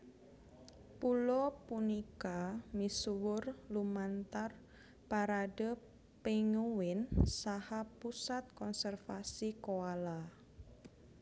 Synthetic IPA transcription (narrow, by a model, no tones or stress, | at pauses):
pulɔpunikamisuwʊrlumant̪ar | paɾadə | peŋuwɪnsahapusat̪̚kɔnsɛrfasikoala